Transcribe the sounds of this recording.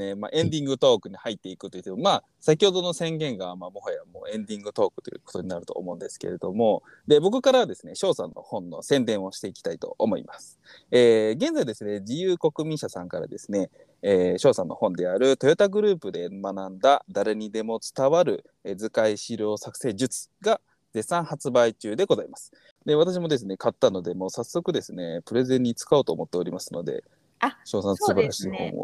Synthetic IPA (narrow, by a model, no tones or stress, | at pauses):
nema̰ʔẽ̞nd̪ʲĩŋɡɯ̟t̪o̞ːkɯ̟ɲ̟ihait̪ːeikɯ̥t̪o̞jiɯ̟t̪ːemomaː | sak̬ʲiho̞d̪o̞no̞sẽ̞ŋɡẽ̞ŋɡamamo̞hojaβamo̰ːẽ̞nd̪ʲĩŋɡɯ̟t̪o̞ːkɯ̟t̪o̞jɯ̰ko̞t̪o̞ɲ̟inaɾɯ̟t̪o̞̰ːmo̞ɯ̟̃nd̪e̞sɨ̥ke̞̰ɾe̞d̪o̞mo̞ | d̪e̞bo̞kɯ̟kaɾaβad̪e̞sɨne̞ɕo̞ːsã̰nːʔo̞̰hõ̞nːo̞̰sẽ̞nd̪ẽ̞ɰ̃o̞ɕi̥t̪e̞ikʲi̥t̪ait̪o̞̰ʔːmo̞̰ḭmasɨ̥ | eːɡẽ̞nd͡zaid̪e̞sɨne̞d͡ʑijɯːko̞kɯ̟mʲĩɰ̃ɕasã̰ŋkaɾa̰d̪e̞sɨne̞ː | ɕo̞ːsãnːo̞hõ̞nd̪e̞aɾɯ̟t̪ojot̪aɡɯ̟ɾɯ̟ːpɯ̟d̪e̞manãnd̪ad̪aɾe̞ɲ̟id̪e̞mo̞t͡sɨ̥t̪aβaɾɯ̟ | ed͡zɨkaiɕiɾʲo̞ːsakɯ̟̥se̞ːd͡ʑɨt͡sɨ̥ɡa | ze̞sãɰ̃hat͡sɨbait͡ɕɨːd̪e̞ɡo̞zaimasɨ̥ | d̪e̞β̞at̪aɕ̬imo̞d̪e̞s̬ɨne̞kat̪ːano̞d̪e̞mo̞sasːo̞kɯ̟d̪e̞sɨne̞pɯ̟ɾe̞zẽ̞ɲ̟ːit͡sɨ̥kaoːt̪oːmo̞t̪ːe̞o̞ɾʲimasɨno̞̰d̪e̞̰ | ɕo̞ːsãnssɨbaɾaɕiːhõ̞̰o̰